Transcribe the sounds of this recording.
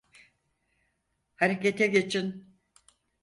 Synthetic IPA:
haɾeket̪ʰɛɡet͡ʃʰin

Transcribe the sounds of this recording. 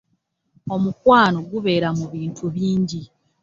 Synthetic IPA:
o̞mukwaːnoɡuβe̞ːɾamuβiːntʰuβiːɲɟi

